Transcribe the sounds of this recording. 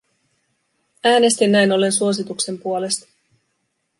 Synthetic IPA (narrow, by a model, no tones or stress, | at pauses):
æːne̞st̪inːæjno̞lːe̞nsuo̞s̬it̪ukse̞mpuole̞st̪ɑ̥